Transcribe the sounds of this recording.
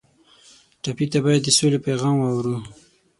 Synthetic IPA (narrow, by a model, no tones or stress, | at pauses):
ʈapit̪abɑjad̪ːəsolepajɣɑmwɑwɾu